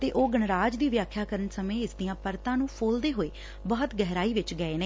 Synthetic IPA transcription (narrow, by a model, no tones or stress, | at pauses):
t̪eːʔoːɡəɳɾaːd͡ʒd̪iːʋjaːkʰːjaːkəɾənsəmẽːɪsd̪ijãːpəɾt̪ãːnũːpʰoːld̪eːɦoːeː | bɔːət̪ɡɛɦɾaːiːʋɪt͡ʃɡəeːneː